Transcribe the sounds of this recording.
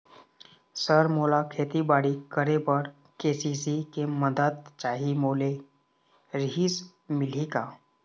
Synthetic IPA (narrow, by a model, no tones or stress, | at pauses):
səɾmolakʰeːt̪ibaɽikəɾebəɾ | kesisikeməd̪ət̪̚t͡ʃaːɦimoːle | ɾiɦis | mɪl̤ika